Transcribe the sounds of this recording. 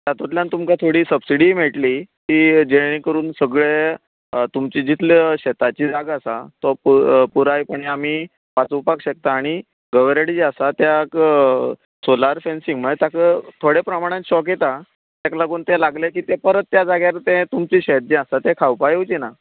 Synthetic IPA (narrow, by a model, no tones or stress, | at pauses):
t̪jat̪ot̪ljant̪umkat̪ʰoɽiːsəbsiɽim̤eʈlit̪iːd͡ʑeɽĩŋkəɾuːnsəɡɭe | t̪umt͡ɕid͡ʑit̪ʰlɕɛt̪at͡ɕiːd͡zaɡasat̪ɔpupuɾajpəɳiam̤iː | pat͡supakɕək̚t̪aːɽ̃i | ɡəʋɾaɽid͡ʑasat̪jak | solaɾfensiŋɡmət̪jakət̪ʰoɽepɾəmaɽ̃ãt̪ɕɔket̪a | t̪aklaɡuːnt̪ẽlaɡlekiːt̪epəɾət̪̚ːjad͡zaɡjaɾt̪ẽt̪umt͡ɕiːɕet̪̚d͡ʑeasat̪ekʰawpajewt͡ɕina